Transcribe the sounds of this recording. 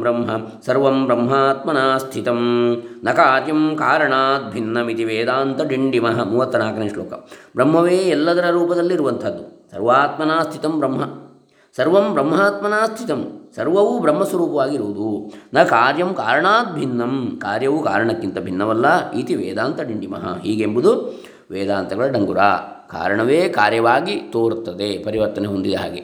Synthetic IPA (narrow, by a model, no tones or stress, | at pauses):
bɾɐmɦɐ | sɐɾʋɐmbɾɐmɦaːt̪mɐnaːst̪ʰit̪ɐm | nɐkaaːɾjɐmkaːɾɐɳaːt̪̚bʱinːɐmit̪iʋeːd̪aːnt̪ɐɖiɳɖimɐɦɐmuːʋɐt̪ːɐnaːkɐneːʂloːkɐ̰mbɾɐmɦɐʋeːɛlːɐd̪ɐɾɐɾuːpɐd̪ɐlːiɾuʋɐnt̪ʰɐd̪ːusɐ̰ɾʋaːt̪mɐnaːst̪ʰit̪ɐmbɾɐmɦɐ | sɐɾʋɐmbɾɐmɦaːt̪mɐnaːst̪ʰit̪ɐmsɐɾʋɐʋubɾɐmːɐswɐɾuːpɐʋaːɡiɾuʋud̪unɐkaːɾjɐmkaːɾɐɳaːt̪̚bʱinːɐmkaːɾjɐʋukaːɾɐɳɐkːint̪ɐbʱinːɐʋɐlːɐiːt̪iʋɛ̰ːd̪aːnt̪ɐɖiɳɖimɐ̰ɦɐ̰ɦiːɡembud̪u | ʋɛːd̪aːnt̪ɐɡɐɭɐɖɐŋɡuɾa̰ː | ka̰ːɾɐɳɐʋeːkaːɾjɐʋaːɡit̪oːɾt̪ːɐd̪epɐɾiʋɐɾt̪ɐneɦond̪id̪ɐɦa̰ːɡḛ